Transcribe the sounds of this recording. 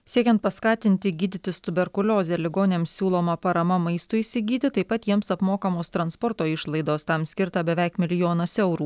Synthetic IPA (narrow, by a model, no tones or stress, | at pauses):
sʲiɛkʲɛnt̪̚pɐskɑːt̪ʲɪnʲt̪ʲɪɡʲiːd̪ʲɪt̪ʲɪst̪ʊbʲɛɾkʊlʲoːzʲɛlʲɪɡoːnʲnʲɛmsʲsʲuːlˠoːmɐpɐɾɐmɐmɐɪst̪ʊisʲɪɡʲiːt̪ʲɪt̪ɐɪpɐt̪jiɛmsɐpmoːkɐmoːst̪ɾɐnspɔɾt̪oːɪʃlˠɐɪd̪oːst̪ɐmsʲkʲɪɾt̪ɐbʲɛʋʲæˑɪkmʲɪlʲɪjoːnɐsɛʊɾuː